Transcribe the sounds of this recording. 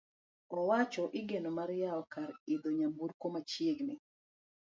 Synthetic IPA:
ɔwat͡ʃɔʔɪɡenomaɾjaɔkaɾid̪oɲambuɾkomat͡ʃjeɡnɪ

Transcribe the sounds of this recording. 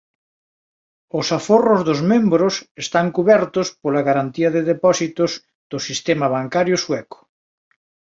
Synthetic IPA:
ʊsaforozðozmẽmbɾosest̪aŋkuβɛɾt̪ospolaɣaɾant̪iɐðeðepɔsit̪ʊz | ðʊsist̪emaβaŋkaɾjʊswɛkʊ̥

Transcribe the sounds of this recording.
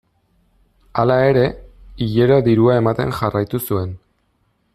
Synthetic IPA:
alae̞ɾe̞iʎe̞ɾo̞ðiɾuae̞mat̪e̞̰nʝarajt̪usue̞n

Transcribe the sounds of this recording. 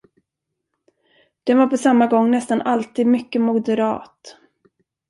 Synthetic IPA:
d̪̥ɛnvaɾpɔsamːaɡɔŋːnɛst̪anʔalt̪iːd̪mʏkːəmʊd̪əɾɑ̰ːt̪

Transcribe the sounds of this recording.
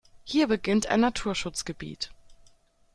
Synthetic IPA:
hiːɐbəɡɪntʔa̰ɪnatʰuːɐʃʊt͡sɡ̥əbḭːt

